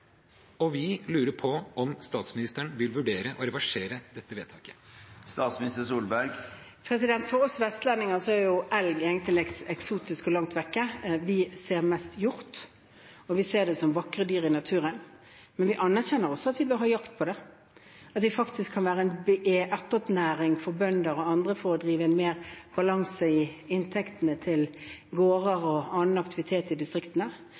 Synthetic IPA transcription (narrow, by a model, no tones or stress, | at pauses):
ɔʋɪlʉːɾəɾpʰɔɔmst̪ɑːt̪smɪnɪst̪əɳʋɪlʋʉɖeːɾəʔɔɾɛʋɑʂeːɾəd̪̥ɛt̪ːəʋeːt̪ʰɑːkə̥st̪ɑːt̪smɪnɪst̪əʂuːlbæɾɡ | pʰɾɛsɪd̪ɛnt̪fɔɾɔsʋɛst̪lænːɪŋɑsɔæɾjʊʔɛlɡeːɡənt̪lɪɛsɛksuːt̪ɪskɔlɑŋt̪ʋɛkːəʋɪseːʁmɛst̪jʊɾt̪ | ɔʋɪseːʁd̪ɛsɔmʋɑkʁəd̪yːɾɪnɑt̪ʰʉːɾən | mɛnʋɪʔɑnːæʁçɛnːəɾɔsːɔɑt̪ʋɪbøːɾhɑːjɑkt̪̚pʰɔd̪ɛ | ɑt̪ʋɪfɑkt̪ʰɪskʰːɑnʋæːɾəɛnbeʔeʔæʁt̪ːɔpnæːɾɪŋfɔʁbœnd̪əɾɔɑnd̪ʁəfɔɾɔd̪ɾiːʋəɛnmeːɾb̥ɑlɑŋsəɪɪnt̪ʰɛkt̪ənət̪ʰɪlɡoːʁəɾɔɑːnn̩ɑk̚t̪ɪʋɪt̪ʰeːt̪ɪd̪ɪst̪ʁɪkt̪ənə